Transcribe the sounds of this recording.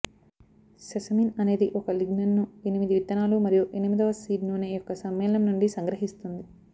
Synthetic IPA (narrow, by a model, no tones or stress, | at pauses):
sɐsɐminɐne̞ːd̪iʔɔkɐliɡnɐnːuenimid̪iʋit̪ːɐnaːlumɐɾijuʔenimid̪ɐʋɐsiːɖnuːneːjɔkːɐsɐmːɛːlɐɐmnuɳɖisɐŋɡɾɐɦist̪und̪i